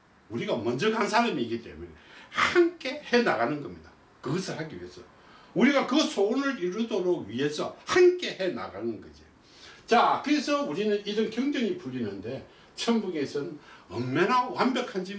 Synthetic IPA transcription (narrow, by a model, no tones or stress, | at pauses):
uɾiɡamʌnd͡ʑʌkansʰaɾamiːɡit͈e̞̰mune̞̰hank͈e̞he̞na̰ɣanɯnɡʌmɲida | kɯɡʌsʰɯɭhaɡiɥḭɦesʰʌo | uɾiɡakɯsʰoonɯɾiɾɯdoɾoɡɥiɦe̞sʰʌhank͈e̞he̞na̰ɡanɯnɡʌ̰d͡ʑi | t͡ɕakɯɾe̞sʰʌuɾinɯniɾʌnkjʌŋdʌŋipuɾinɯnde̞ | t͡ɕʰʌmbuŋe̞sʰɯnʌ̰mːenawambjʌkʰand͡ʑi